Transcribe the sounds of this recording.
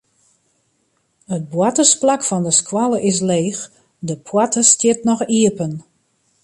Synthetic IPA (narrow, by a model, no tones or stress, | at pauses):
ət̚bwatəsplakfɔndəskwalˠəʔɪs̬leːx | dəpʰwatəstjɪtnɔxiəpən